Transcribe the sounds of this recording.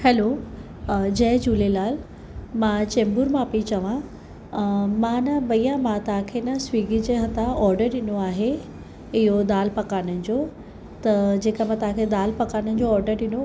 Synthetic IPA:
hɛlo | d͡ʑɐːd͡ʑuːlelaːl | mãt͡ɕẽːmbʊɾmãpit͡ɕɐʋã | mãnɐbɐijãmãt̪ɐɦãkʰeːnɐswiːɡd͡ʑeɦɐ̃t̪aɔːɾɖəɾɗɪnoaːɦe | ɪɦod̪aːlpɐkaːnənɪ̆d͡ʑoː | t̪ɐd͡ʑeːkamãt̪ɐɦãkʰed̪aːlpɐkaːnənɪ̆d͡ʑoɔːɾɖəɾɗɪno

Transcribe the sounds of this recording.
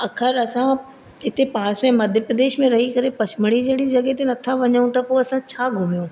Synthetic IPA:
ɐkʰəɾɐsã | ɦɪt̪epaːɽ̃əsmẽmɐd̪ʱjəpɾəd̪eːʃmẽɾɐɦikɐɾepɐsʰɪməɽ̃id͡ʑeɽid͡ʑɐɡet̪̬enɐt̪ʰaʋɐɲəũt̪ɐpoɐsãt͡ɕʰaːɡʱʊmijõː

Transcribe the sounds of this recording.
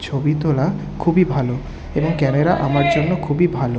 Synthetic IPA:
t͡ɕʰobit̪ola | kʰubibʱalo | eboŋkɛmeɾaʔamaɾd͡ʑonːokʰubibʱalo

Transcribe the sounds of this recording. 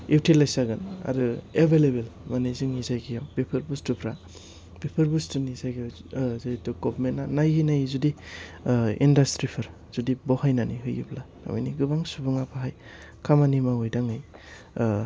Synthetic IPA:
iwtʰilajsaɡɯna̰ɾɯebʱelebelmaneziŋizajɡijawbepʰɯɾbustupʰɾa | b̥epʰɯɾbustunizajɡijaw | zaduɡɔbmenːanajinajzudi | ḭndastɾipʰɯɾ | z̥udibɔhajnanḭɦɯjṵbla | a̰ma̰jniɡɯbaŋsubɯŋapʰaɦaj | kʰamanimaojdaŋaj

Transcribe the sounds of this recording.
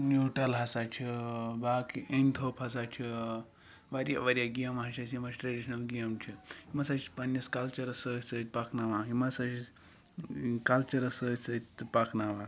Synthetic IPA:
nuʈɐlɦɐsat͡ʃʰibaːkienʲt̪ʰopɦɐs̬at͡ʃʰi | ʋɐɾʲja̰ʋɐɾʲjaɡijɐmɦɐt͡ʃʰɐsimɐt͡ʃʲʈɾɐɖiʃnɐlɡijɐmt͡ʃʰihimɐsat͡ʃipɐnɐskɐlt͡ʃɐɾɐsəsət̪̚ʲpaknaʋaɦimɐsɐt͡ʃi | kɐlt͡ʃɐɾɐsəsət̪ʲpaknaʋa

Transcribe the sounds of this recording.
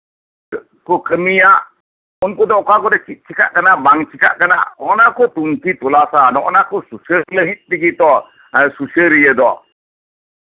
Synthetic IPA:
kɔkʰɯmija | ɔnkɔd̪ɔɔkakɔdɛkʰit̪̚t͡ʃʰika̰ʔkanabaŋt͡ʃika̰ʔkana̰ɔɔnakɔt̪uŋtit̪ɔlasanɔ̰ʔɔnakʰɔsusələɦit̪̚tiɡit̪ɔ | susəɾijəd̪ɔ

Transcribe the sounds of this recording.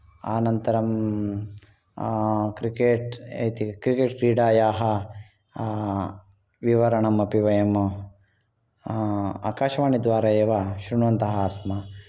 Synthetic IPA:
a̰ːnɐnt̪ɐɾɐm | kɾikeːʈḛjt̪ikɾikeːʈɾiːɖaːjaːɦɐ | ʋiʋɐɾɐɳɐmɐpiʋɐjɐm | a̰ːkaːʃɐʋaːɳid̪ʋaːɾɐeːʋaʃɾuɳʋɐnt̪ɐɦɐaːsmɐ

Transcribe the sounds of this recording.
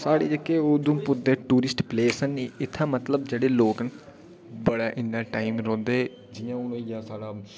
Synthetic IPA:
saːɽḛːd͡ʒəkːeːoːd̪ũːpʊɾd̪eːʈuːɾɪsʈpleːsənːiːɪt̪ʰːãːmət̪ləbd͡ʒeːɽeːloːkn | bəɽaːʔɪnːaːʈaːimɾɔ̃ːnd̪eː | d͡ʒɪjãːʊnõːjaːsaːɽaː

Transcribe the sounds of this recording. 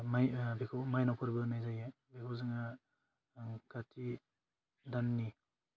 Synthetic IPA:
majbikʰɔmajnawpʰɯɾbɯnajzaje | bekʰɔzɯŋa | katʰi | danːi

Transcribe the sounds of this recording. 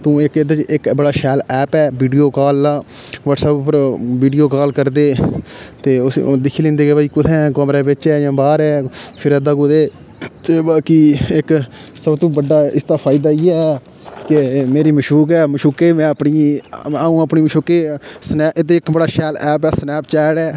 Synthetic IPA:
t̪ũːɪked̪eːt͡ʃɪkbəɽaːʃɛːlɛːpɛːʋiːɖijoːkaːlːãːʋəʈsɛːbpəɾʋiːɖijoːkaːlkəɾd̪eːt̪eːʊsd̪ɪkʰːiːlẽːnd̪eːkebaːiːkʊt̪ʰɛ̃ːkəmɾɛːbɪt͡ʃɛːjãːbaːɾɛːpʰɪɾɛːd̪aːkʊd̪eː | t̪eːbaːkiːɪksəbt̪õːbəɖːaːɪst̪aːpʰaːɪd̪aːiːɛː | kemeːɾiːməʃuːkɛːməʃuːkeːmɛ̃ːəpɳiːaːũːəpniːməʃoːkeːsnɛːʔɪt̪eːɪkbəɽaːʃɛːlɛːpɛːsnɛːp̚t͡ʃɛːɽɛː

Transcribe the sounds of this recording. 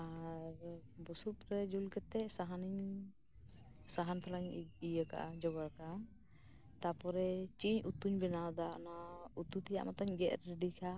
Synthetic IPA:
aɾbusupɾɛd͡ʒulkɛt̪ɛʔsaɦaniɲ | saɦant̪ʰɔlaɲijəka̰ʔa̰d͡ʒɔɡaɾka | t̪apɔɾɛt͡ʃiɲut̪uɲbɛnawd̪aʔnaut̪ut̪ija̰ʔmat̪aɲɡɛʔɾɛɖikʰa

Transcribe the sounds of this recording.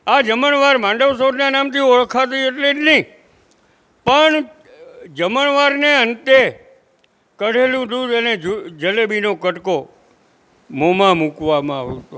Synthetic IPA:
ad͡ʒəməɳʋaɾmãɳɖəʋsod̪nanamt̪ʰioɭkʰat̪̬ieʈlenəɦĩ | pəɳ | d͡ʒəməɳʋaɾneənt̪e | kəɽ̤ʱelũd̪ud̪əned͡ʒd͡ʒəlebinokəʈko | momãmukʋamãaʋot̪o

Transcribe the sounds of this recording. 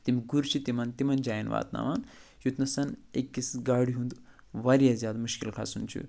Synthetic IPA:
t̪imiɡuɾt͡ʃʰit̪imɐnt̪imɐnd͡ʒaːjinʋa̰ːt̪na̰ʋanjut̪nɐsɐnekːisɡaːɽiɦund̪ | ʋaɾjazjaːd̪muʃkilkʰa̰sunt͡ʃʰṵ

